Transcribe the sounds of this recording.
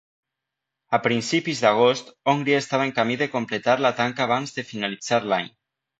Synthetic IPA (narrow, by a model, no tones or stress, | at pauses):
apɾinsipizðaɣ̞ost̪oŋɡɾiest̪aβaeŋkamiðekomplet̪aɾlat̪aŋkaːβ̞anzðefinalid͡zaɾlaɲ